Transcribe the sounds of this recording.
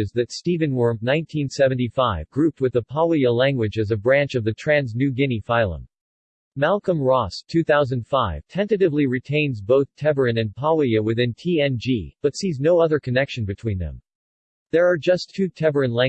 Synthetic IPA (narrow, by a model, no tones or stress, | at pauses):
ɨzðɨtstivɨ̃nwɜ˞mnãɪ̃ntʰĩnsɛvɨ̃n̩tifaɪvɡɹʉp̚t̚wɨðəpʰɑʊiəlæ̃ŋɡwɨd͡ʒɨzɨbɹæ̃nt͡ʃʌvðɨtʰɹ̥æ̃nznʉɡɪ̃nifaɪlˠə̰̃m | mælˠkə̃mɹɔstʰʉθaʊzɨ̃nd̥faɪv̥tʰɛ̃ntɨɾɨvliɹitʰẽɪ̃nzboʊθtʰɛvə˞ɨ̃nɨ̃npʰɑiɨwɨθɪ̃ntʰiɛ̃nd͡ʒib̥ʌtsiznoʊʌðə˞kʰɨnɛkʃɨ̃n̩bɨtʰw̥ĩnðɨ̰̃m | ðə˞ːd͡ʒʌstʰʉtʰɛvə˞ɨ̃nlæ̃